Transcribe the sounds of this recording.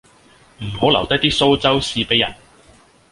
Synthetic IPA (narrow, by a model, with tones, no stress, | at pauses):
m̩˨˩ho˨˥wlɐ˨wt̪ɐ˥jt̪iː˥so˥wt͡sɐ˥wsiː˧pe˨˥jɐ̰˨˩n